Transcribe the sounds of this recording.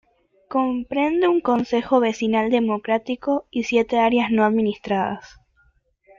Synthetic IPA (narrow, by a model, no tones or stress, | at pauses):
ko̞mpɾe̞nd̪euŋko̞nse̞xoβe̞sinald̪e̞mo̞kɾat̪ikoisje̞t̪eaɾjasnoaðminist̪ɾaða̰s